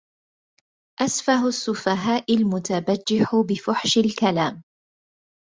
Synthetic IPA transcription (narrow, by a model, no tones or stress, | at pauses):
ʔasfaɦʊsːʊfaɦaːʔɪlmʊt̪abad͡ʒːɪħʊbɪfʊħʃalkalaːm